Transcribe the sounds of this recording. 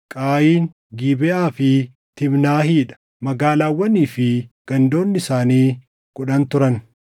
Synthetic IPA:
kʼaːjiːn | ɡiːbɛʔaːfɪ | t̪ɪbnaːɦiːᶑɐ̥ | mɐɡaːlaːwːɐniːfɪɡ̥ɐnd̪o̞ːnːɪsaːniː | kʊᶑɐnt̪ʊɾɐn

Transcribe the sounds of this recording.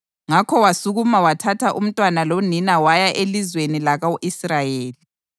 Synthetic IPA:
ŋakʰɔwasuɣumawatʰatʰaʔum̩tʼwanaloninawajaʔelizwenilaɣawʔisrajeːli

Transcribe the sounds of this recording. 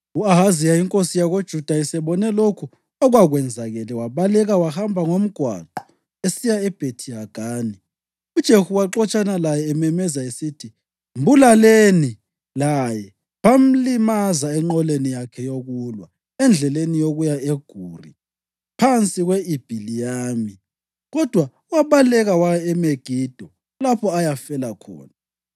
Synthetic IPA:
uaɦazijajiŋkʼosijaɣod̥ʒ̥ʱud̥ʱaisɛβɔnɛlokʰu | ɔɣwaɣwɛnd͡zʱaɣɛlɛwaβalɛɣawahambʱaŋom̩ɡ̥ʱwa̰ɡ͡ǃ̥ʱɔ̥ | esijaɛb̥ʱetʰiaɡ̥ʱaːni | ud̥ʒ̥ʱehuwaǁɔt͡ʃʼanalajɛːmɛmɛzaesitʰi | mbʱulaleni | lajɛ | βam̩limazaɛŋ͡ǃɔlenijakʰɛjoɣulwa | ɛnd͡ɮʱɛlenijoɣujaeɡ̥ʱuːri | pʰant͡sʼiɣweib̥ʱilijaːmi | ɣɔd̥ʱwa | waβalɛɣawajɛɛmeɡ̥ʱiːd̥ʱɔ | lapʰɔajafɛlakʰɔ̰ːna

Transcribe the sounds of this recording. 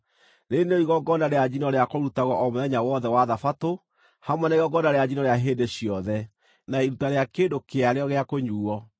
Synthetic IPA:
ɾeneoiɣɔɡɔndaɾead͡ʑinɔɾeakoɾutaɣɔʔɔmoðɛɲawɔðɛwaðafato | hamwɛnaiɣɔɡɔndaɾead͡ʑinɔɾeaɦeːdeɕiɔðɛ | naiɾutaɾeakedokeaɾeɔɣeakoɲuːɔ

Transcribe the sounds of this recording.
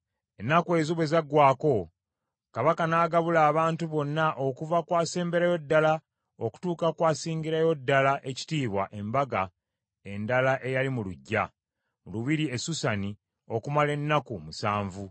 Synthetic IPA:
enːakwe̞ːzuβe̞zaɡwaːko̞ | kaβakanaːɡaβulaːβaːntuβo̞nːaʔo̞kuvakwaːse̞ːmbe̞ɾajo̞dːala | o̞ku̥tuːkakwaːsiːɲɟiɾajo̞dːalaʔe̞ci̥tiːβwaʔe̞mbaɡa | e̞ndalaʔe̞jalimuluɟːa | muluβiɾie̞susani | o̞kumale̞nːakumusaːɱvu

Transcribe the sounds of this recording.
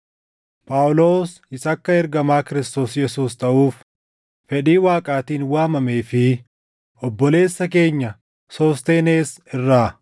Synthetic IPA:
pʼawʊlo̞ːs | ɪsɐkːɐɛɾɡɐmaːkɪɾɪst̪o̞ːsjɛsuːst̪ɐʔuːf | fɛᶑiːwaːkʼaːt̪iːnwaːmɐmeːfɪ | ʔɔbːɔle̞ːsːɐk̬e̞ːɲːɐ | sɔst̪eːneːsɪrːaː

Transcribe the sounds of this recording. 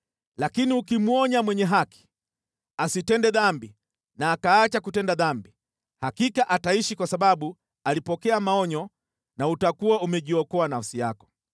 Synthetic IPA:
lakiniukimuɔɲamwɛɲɛɦaki̥ | asitɛndɛðambi | naːkaːt͡ʃakutɛndaðambi | hakikaʔataiʃikwasaɓaɓu | alipɔkɛamaɔɲɔ | nautakuaumɛʄiɔkɔanafsija̰kɔ̥

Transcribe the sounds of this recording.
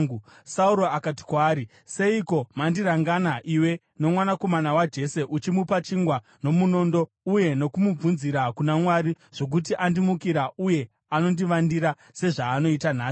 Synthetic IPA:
u | sauɾoakati̥kwaːɾi | se̞iko̞mandiɾaŋɡanaʔiwe̞ | no̞mwanako̞manawad͡ʒe̞se̞ʔut͡ʃimupat͡ʃiŋɡwa | no̞muno̞ndo̞ | uje̞no̞kumub͡vunziɾakunamwaɾi | ʐ̥o̞k̬ut̬iʔandimukiɾauje̞ | ano̞ndiʋandiɾa | se̞ʐaːno̞itanaː

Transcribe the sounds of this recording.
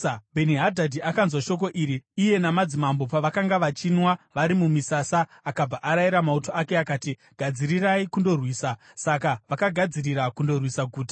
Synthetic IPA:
bʱe̞niɦadʱadʱiakanzwaʃo̞k̬o̞ʔiɾiːje̞namad͡zimambo̞paʋakaŋɡaʋat͡ʃinwaʋaɾimumisasaːkab͡vaʔaɾaiɾamauto̞akeakaːti | ɡ̥ʱad͡ziɾiraikundo̞rwiːsa | sakaʋakaɡʱad͡ziriɾakundo̞rwisaɡʱuːtḁ

